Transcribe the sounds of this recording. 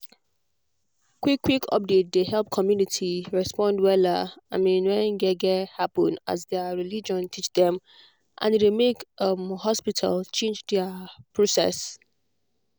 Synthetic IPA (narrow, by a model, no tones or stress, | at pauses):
kwikʰːwikʰɔ̰p̚det̚dehɛlp̚kʰɔmjunitʰiɹɛspɔ̃ndwɛlaamĩnwɛ̃nɡɛɡɛhapə̃nda̰zðɛəɹilid͡ʒɔ̃ntʰit͡ʃdɛ̃m | ʔã̰ndemekʌmhɔspitʰa̰lt͡ʃʰẽnd͡ʒdɛəpʰɹosɛ̰s